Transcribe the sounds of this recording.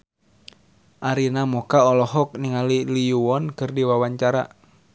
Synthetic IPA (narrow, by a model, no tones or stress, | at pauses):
ʔaɾinamɔkaɔlɔɦɔk̚niŋalilijuɔnkɨrdiwawaɲt͡ʃaɾa̰